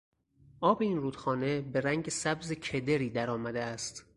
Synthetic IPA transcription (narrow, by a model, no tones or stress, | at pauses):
ʔɒːbeiːnruːd̪̥xɒːne̞be̞ɾæŋɟesæbzecʰed̪eɾiːd̪æɾɒːmæd̪eæst̪